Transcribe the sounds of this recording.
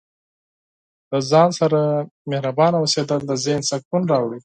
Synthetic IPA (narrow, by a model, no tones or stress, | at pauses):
ləzɑnsaɾamehɾabɑnawəsed̪əld̪əzensak̚unɾɑwɽi